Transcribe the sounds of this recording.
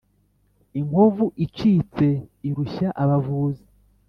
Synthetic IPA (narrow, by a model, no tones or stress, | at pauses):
iŋɡovuʔit͡ʃiːt͡se̞iɾuçaʔaβavuːzi̥